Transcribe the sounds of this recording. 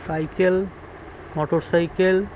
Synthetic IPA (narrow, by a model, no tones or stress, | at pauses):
sajkel | mɔʈoɾsajkel